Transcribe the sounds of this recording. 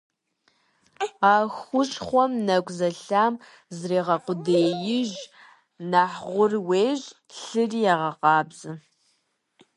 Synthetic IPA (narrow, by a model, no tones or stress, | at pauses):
aːxʷʊʃʼχʷɔmnɐkʷʼzɐɬaːm | zreːʁɐqʷʊdeːjɪʒ | naħʁʷʊrweːʒ | ɬɨrijaʁɐqɑːbzɨ